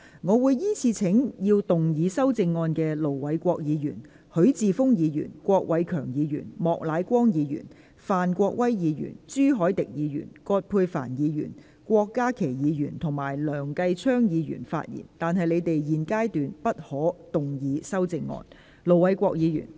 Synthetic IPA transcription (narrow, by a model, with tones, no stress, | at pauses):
ŋɔː˨˧wuː˨˧jjiː˥t͡sʰiː˨˧t͡sʰɪ˨˥ŋjiː˧wt̪ʊ˨ŋjiː˨˧sɐ˥wt͡sɪ˧ŋːɔː˧nkɛː˧lo˨˩wwɐ˨˥jkʷɔː˧k̚jiː˨˧jy̰ː˨˩n | hɵ˨˥ɥt͡siː˨˧fʊ˥ŋjiː˨˧jy̰ː˨˩nkʷɔː˧k̚wɐ˨˧jkʰœː˨˩ŋjiː˨˧jy̰ː˨˩nmɔː˨k̚laː˨˥jkʷɔː˥ŋjiː˨˧jy̰˨˩n | faː˨nkʷɔː˧k̚wɐ˥jjiː˨˧jy̰ː˨˩nt͡ʃyː˥ɦɔː˨˥jt̪ɪ˨k̚jiː˨˧jy̰ː˨˩nkɔː˧t̚pʰuː˧jfa̰ː˨˩njiː˨˧jy̰˨˩n | kʷɔː˧kːaː˥kʰe˨˩jjiː˨˧jyː˨˩nt̪ʰʊ˨˩ŋmaː˨˩jlœː˨˩ŋkɐ˧jt͡ʃʰœː˥ŋjiː˨˧jy̰ː˨˩nfa̰ː˧t̚jḭː˨˩nt̪aː˨nɦɐ˨jle˨˧jt̪e˨jjiː˨nkaː˥jt̪yː˨npɐ˥t̚hɔː˨˥t̪ʊ˨ŋjiː˨˧sɐ˥wt͡sɪ˧ŋːɔ̰ː˧n | lo˨˩wwɐ˨˦jkʷɔː˧k̚jiː˨˧jy̰ː˨˩n